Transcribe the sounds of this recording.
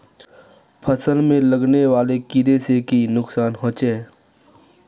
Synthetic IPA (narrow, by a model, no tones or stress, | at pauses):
pʰəsəlmẽləɡneʋaːlekɪɾesekinʊksaːnɦɔ̃ːt͡ʃeː